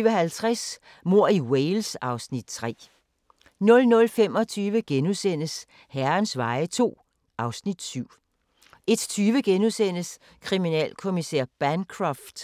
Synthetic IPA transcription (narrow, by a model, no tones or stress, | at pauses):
əɦælt͡sʰʁas | mo̝ɐ̰iweɪlsɑ̈ʊsnid̥̚t͡sʰʁɛ̰ː | nɔ̽lnɔ̽lfem̰ɒ̽t͡sʰyːʋəɡ̥enusen̰əs | hæɐnsʋɑ̈ɪət͡sʰo̝̰ː | ɑ̈ʊsnid̥syʊ̰ | e̝d̥t͡sʰyːʋəɡ̥enusen̰əs | kʰʁiminɛ̰ːlkʰo̝miseɐ̰b̥ænkʰʁɑfd̥